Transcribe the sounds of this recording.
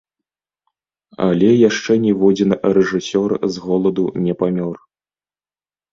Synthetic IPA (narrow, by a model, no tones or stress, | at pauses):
a̰lʲɛjaʂt͡ʂɛnʲɛvɔd͡zʲɛnrɛʐɨsʲɔrzɣɔlˠɐd̪unʲɛpamʲɔr